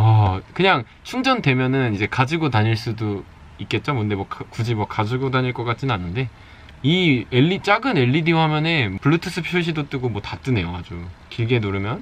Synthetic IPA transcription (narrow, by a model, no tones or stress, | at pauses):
ʌkɯɲaŋ | t͡ɕʰuŋd͡ʑʌnde̞mjʌnɯnid͡ʑe̞kad͡ʑiɡotaɲiɭs͈udo | ik͈e̞t̚t͡ɕ͈omɯnde̞mwʌkkud͡ʑimwʌkad͡ʑiɡodaɲiɭk͈ʌk͈at̚t͡ɕ͈inanːɯnde̞ | ieʎːit͡ɕ͈aɡɯne̞ʎːidiɦamjʌne̞pɯɭːutʰɯsʰɯpʰjuɕ̬ʰidot͈ɯɡomwʌtat͈ɯne̞jokad͡ʑokiɭɡe̞noɾɯmjʌn